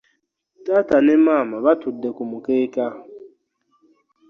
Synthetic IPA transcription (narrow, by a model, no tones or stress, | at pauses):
tatanemamaβatʰudekumʊkeka